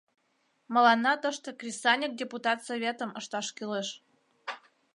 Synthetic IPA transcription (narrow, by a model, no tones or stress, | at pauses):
mə̆lɑnːɑt̪əʃt̪ŏkrʲisɑnʲik̚dʲeput̪ɑt̪sovʲet̪ə̆məʃt̪ɑʃkileʃ